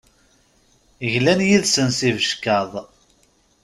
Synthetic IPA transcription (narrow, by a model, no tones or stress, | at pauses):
əʝlænjiðsənsivəʃkɑðˤ